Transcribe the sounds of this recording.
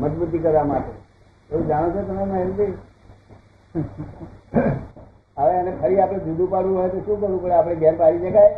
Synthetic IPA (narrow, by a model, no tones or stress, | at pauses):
məd͡ʒbut̪̬ikəɾʋamaʈe | eũd͡ʒaɽ̃õt͡ʃʰot̪ənemaɦeɾut̪i | aʋeənepʰəɾiapɽ̃ed͡ʒud̪ʱũpaɽʋũɦojt̪oʃũkəɾʋũpəɽeapɽ̃eɡjanpaɾid͡ʒekaj